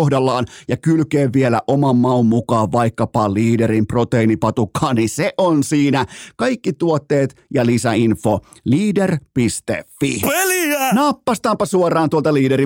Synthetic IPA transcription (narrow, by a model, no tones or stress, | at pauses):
hdɑlːɑːnjɑkylkeːʋʋielæ̰ʔomɑmːɑomːukɑːʋʋɑikːɑpɑliːdeɾimprot̪einipɑt̪ukʰːɑːnniseʔonsiːnækɑjkːit̪uot̪ːeːt̪jɑlisæinfo | liːderpist̪ḛfːieliænɑpːɑst̪ɑːmpɑsuorˑɑːnt̪uolt̪ɑliːdeɾi